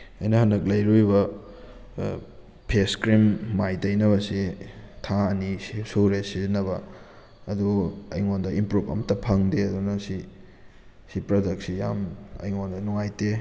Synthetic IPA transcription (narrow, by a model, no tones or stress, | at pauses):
ɐjnɐhɐnɐk̚lɐjɾujbɐ | pʰeskɾimːajtɐjnɐβɐsitʰaɐnissuɾesizinːɐbɐ | ɐduɐjŋondɐimpɾupʰɐ̰mtɐpʰɐŋdeɐdunɐsi | sipɾɐdɐk̚sijamɐ̰jŋondɐnuŋajte